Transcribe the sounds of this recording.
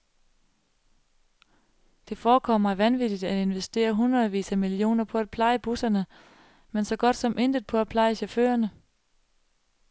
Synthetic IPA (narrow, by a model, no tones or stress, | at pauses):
d̥e̝fɒːkʰɒ̽mɑ̈æʋænʋid̥id̥æe̝nʋesd̥e̝̰ːɐɦunʁɐðˠʋḭːsæmilio̝̰ːnɐpʰɒ̽æd̥̚pʰlɑ̈ɪəb̥usɐnə | mensɒ̽ɡ̥ɒ̽d̥sɒ̽mʔe̝nd̥ð̩ˠpʰɒ̽æ̥pʰlɑ̈ɪəɕɒfø̰ːɐnə